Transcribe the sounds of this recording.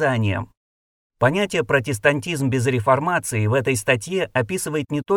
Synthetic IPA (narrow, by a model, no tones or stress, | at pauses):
anʲɪjə̰ | pɐnʲætʲɪjəpɾətʲɪst̪ɐnʲtʲizmbʲɪzɾʲɪfɐrmat̪sɨɪvɛt̪əjst̪ɐtʲje̞ɐpʲisɨvəjɪt̪nʲɪt̪o